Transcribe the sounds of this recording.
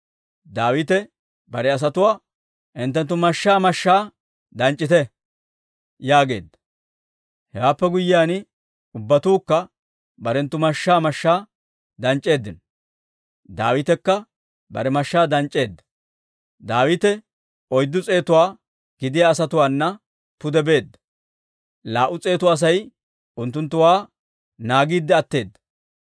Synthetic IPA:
d̪aːwɪt̪ɛ | bɐɾɛɐs̬ɐt̪ʊwaː | ʔɪnt̪ːɛnt̪̬ːʊmɐʃːaːmɐʃːaː | d̪ɐnt͡ʃʼːɪt̪ɛ | jaːɡe̞̰ːd̪ːɐ̥ | hɛwaːpːɛɡʊjɪjaːnɪ | ʊbːɐt̪uːkːɐ | bɐɾɛnt̪ːʊmɐʃːaːmɐʃːaː | d̪ɐnt͡ʃʼːe̞ːd̪ːɪnɔ | d̪a̰ːwɪt̪ɛkːɐ | bɐ̰ɾɛmɐʃːaːd̪ɐnt͡ʃʼːe̞ːd̪ːɐ̥ | d̪aːwɪt̪ɛ | ɔjd̪ːʊt͡sʼe̞ːt̪ʊwaː | ɡ̥ɪd̪ɪjaːsɐt̪ʊwaːnːɐ | pʊd̪ɛbe̞ːd̪ːɐ̥ | laːʔʊt͡sʼe̞ːt̪ʊːs̬ɐj | ʊnt̪ːʊnt̪ːʊwaː | naːɡiːd̪ːɛɐt̪ːe̞ːd̪ːɐ̥

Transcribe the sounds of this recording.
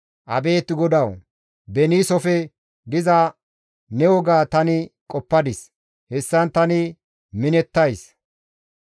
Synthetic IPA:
ʔɐ̰be̞ːt̪ːɪɡɔd̪ɐw | bɛniːsɔfɛ | d̪ɪzɐ | nɛwɔɡaːt̪ɐnɪkʼɔpːɐd̪ɪs | hɛsːɐnt̪ɐnɪ | mɪnɛt̪ːɐjs

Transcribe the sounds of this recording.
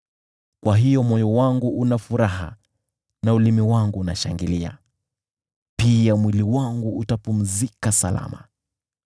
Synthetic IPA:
kwaɦijɔmɔjɔwaŋɡuʔunafuɾaɦa̰ | naulimiwaŋɡuːnaʃaŋɡilia̰ | piamwiliwaŋɡuutapum̩zikasala̰ma

